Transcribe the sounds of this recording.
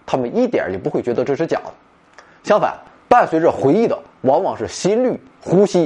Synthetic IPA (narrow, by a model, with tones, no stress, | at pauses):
t̪ʰa˥mə˨ni˥˩t̪jɛ̰˨˩˥jɛ˨˩pu˧˥xwɪt͡ɕɥɛ˧˥d̪ə˧ʈ͡ʂɤ˥˧ʂɻ̩˥t͡ɕjɑ̰˨˩ŋd̪ə | ɕjɑ˥ŋfa̰˨˩˦n | pa˥˩nswe˧˥ɪʈ͡ʂə˧xwe˧˥ɪi˥˩d̪ə̰˩ | wɑ˧˥ŋwɑ˨˩ŋʂɻ̩˥˩ɕi˥nly˥˩ | xu˥ɕi˥